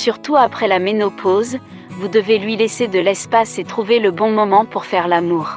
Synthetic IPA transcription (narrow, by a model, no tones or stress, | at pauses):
syʁt̪uapχɛlamenɔpʰoz | vud̪əvelɥilesed̪əlɛspaset̪χuveləbɔ̃mɔmɑ̃puʁfɛʁlamuːʁ